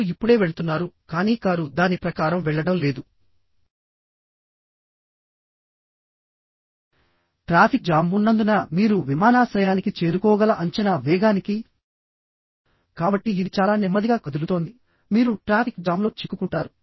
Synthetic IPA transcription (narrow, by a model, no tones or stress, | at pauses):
ipːuɽe̞ːʋeɭut̪unːaːɾukaːniːkaːɾud̪aːnipɾɐkaːɾɐmʋɛɭːɐɽɐmle̞ːd̪u | ʈɾaːpʰik̚d͡ʒaːmunːɐnd̪unɐmiːɾuʋimaːnaːsɾɐjaːnikit͡ʃe̞ːɾukɔːɡɐlɐʔɐɲt͡ʃɐnaʋɛːɡaːniki | kaːbɐʈːiːd̪it͡ʃaːlaːnɛmːɐd̪iɡaːkɐd̪ulut̪o̞ːnd̪i | miːɾuʈɾaːpʰik̚d͡ʒaːmlo̞ːt͡ʃikːukuɳʈaːɾu